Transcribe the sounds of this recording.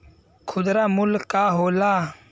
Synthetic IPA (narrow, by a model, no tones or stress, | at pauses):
kʰʊd̪ɾaːmʊlkaːɦoːlaː